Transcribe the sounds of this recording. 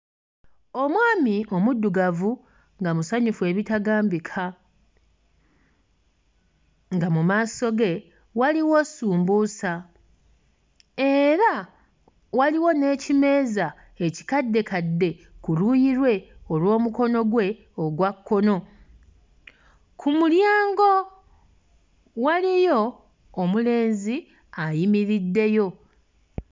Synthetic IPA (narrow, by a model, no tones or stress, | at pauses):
o̞mwaːmiʔo̞mudːuɡavu | ŋɡamusaɲufue̞ːβitaɡaːmbikʰa | ŋɡamumaːso̞ɡe̞ | waliwo̞suːmbuːsa | e̞ɾa | waliwo̞ne̞ːcime̞ːza | eci̥kadːe̞kadːe̞kulujiɾwe̞olwo̞ːmuko̞no̞ɡwe̞ | oɡwakːo̞no̞ | kʰumuljaːŋɡo̞ | walijo̞ː | mule̞ːnzi | ajimiɾidːe̞jo̞